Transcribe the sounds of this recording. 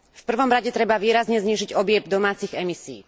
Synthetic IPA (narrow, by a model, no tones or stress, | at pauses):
fpr̩ʋɔmɾaɟɛt̪ɾɛbaʋiːɾazɲɛzɲiːʒiɟɔbɪɛbd̪ɔmaːt͡siɣɛmisiː